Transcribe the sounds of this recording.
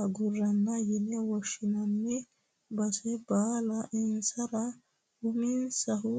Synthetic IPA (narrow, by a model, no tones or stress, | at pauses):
ɐɡʊrːɐnːɐjɪnɛwɔʃːɪnɐnːɛ | bɐsɛbaːlɐʔɛnsɐɾɐ | ʊmɪnsɐɦʊ